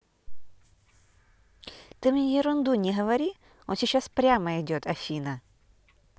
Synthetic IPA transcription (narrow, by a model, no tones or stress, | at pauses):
t̪ɨmʲnʲjɪɾʊnd̪unʲɪɦəvɐɾʲi | onsʲɪt͡ɕːaspɾʲaməɪdʲo̞t̪ɐfʲinə